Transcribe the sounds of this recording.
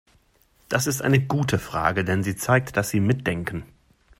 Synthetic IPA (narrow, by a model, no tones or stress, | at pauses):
d̥asɪstʔa̰ɪnəɡuːtʰəfʁ̥a̰ːɡədɛnziːt͡saɪk̚td̥asz̥iːmɪt̚d̥ɛŋkn̩